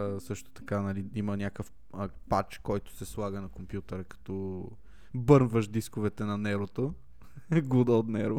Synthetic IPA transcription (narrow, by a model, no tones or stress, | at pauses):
sɤʃt̪ʊ̥t̪ɐ̥kanɐliimənʲjakəf | əpat͡ʃkɔjt̪ʊ̥sɛslˠaɡənɐkompjut̪ɛɾəkɐ̥t̪ɔ | bɤɾnvəʃd̪iskovɛt̪ɛnɐnɛɾot̪o | ɡud̪əot̪nɛɾo